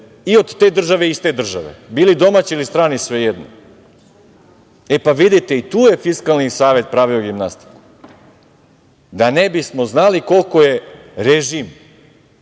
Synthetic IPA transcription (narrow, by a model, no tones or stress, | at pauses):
io̞d̪t̪eːd̪r̩ʒaʋe̞ist̪e̞d̪r̩ʒaʋḛbiːlid̪o̞mat͡ɕiilist̪ɾaːnisʋejed̪no̰ | epaʋid̪it̪eit̪uːjefiskalnisaːʋe̞t̪̚pɾaːʋio̞ɡimnast̪i̥ku | d̪anebismo̞znaliko̞lˠko̞je̞ | ɾeʒim